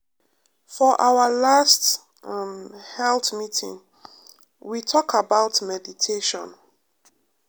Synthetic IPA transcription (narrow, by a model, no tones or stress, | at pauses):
fɔʔawəlast | mhɛlθmitʰḭ̃ŋ | witʰɔkʰabaʊtmɛditʰeʃɔ̰̃n